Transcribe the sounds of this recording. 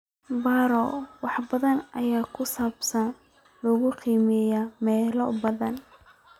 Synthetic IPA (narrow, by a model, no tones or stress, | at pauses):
baːɾɔwɑħbɐðɐnɐjaːkʰʊsaːbsɐn | lɔɣʊqiːmɛjamɛːlɔbɐðɐn